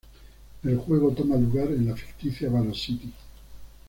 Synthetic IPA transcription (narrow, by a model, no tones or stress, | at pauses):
elxweɣ̞ot̪omaluɣaɾenlafi̥kt̪iθjaβaɾosit̪i